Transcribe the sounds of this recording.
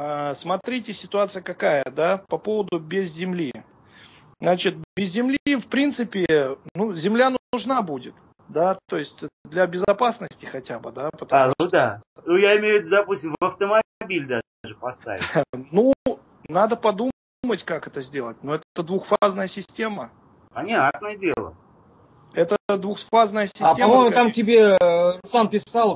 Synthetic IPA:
asmɐt̪ɾʲitʲɪsʲɪt̪ʊat̪sɨjəkɐkajəd̪apɐpo̞vəd̪ʊbʲɪzzʲɪmlʲi | nat͡ɕɪt̪̚bʲɪzʲzʲɪmlʲifpɾʲint̪sɨpʲɪnuzʲɪmlʲanʊʐnabudʲɪt̪ | d̪at̪o̞jɪsʲtʲəd̪lʲɐbʲɪzɐpasnəsʲtʲɪxɐtʲabɨd̪apət̪ɐaud̪anujaɪmʲejʊvʲɪd̪ud̪ɐpusʲtʲɪmvɐft̪əmɐbʲilʲd̪aaʐɨpɐst̪a̰vʲɪnu | nad̪əpɐd̪u | mətʲkakɛt̪əzʲdʲe̞lˠət̚ʲnoɛt̪t̪əd̪vuxfaznəjəsʲɪsʲtʲe̞mə | pɐnʲat̪nəjədʲelˠə̰ | ɛt̪əd̪vuxfaznəjəsʲɪsatʲeɐmojmʊt̪amtʲɪbʲeʊsanpʲɪsalˠ

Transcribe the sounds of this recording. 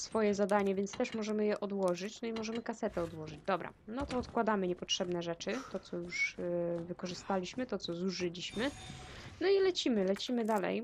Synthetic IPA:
sfɔjɛzad̪aɲɛvʲjɛnt̪st̪ɛʂmɔʐɛmɘjɛʔɔd̪wɔʐɘt͡ɕnɔimɔʐɛmɘkasɛt̪ɛɔd̪wɔʐɘd͡ʑd̪ɔbɾa̰nɔt̪ɔːt̪kwad̪amɘɲɛpɔtʂɛbnɛʐɛt͡ʂɘt̪ɔt̪sɔjuʂvɘkɔʐɘst̪alʲiɕmɘt̪ɔt̪sɔzuʐɘlʲiɕmɘnɔilɛt͡ɕimɘlɛt͡ɕimɘd̪alɛ̰j

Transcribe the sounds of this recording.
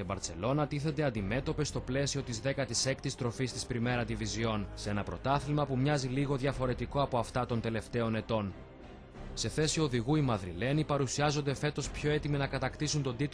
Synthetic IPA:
ebɐɾse̞lo̞nɐt̪iθend̪e̞ɐnd̪ime̞t̪o̞pe̞st̪o̞ple̞sio̞t̪izðe̞kɐt̪ise̞kt̪ist̪ɾo̞fist̪ispɾime̞ɾɐd̪ivizio̞nse̞nɐpɾo̞t̪ɐθilmɐpumɲɐziliɣo̞ðʝɐfo̞ɾe̞t̪iko̞ɐpo̞ɐft̪ɐt̪o̞nt̪e̞le̞ft̪e̞o̞ne̞t̪o̞n | se̞θe̞sio̞ðiɣuimɐðɾḭle̞nipɐɾusiɐzo̞nd̪e̞fe̞t̪o̞spço̞e̞t̪iminɐkɐt̪ɐkt̪isunt̪o̞d̪it̪

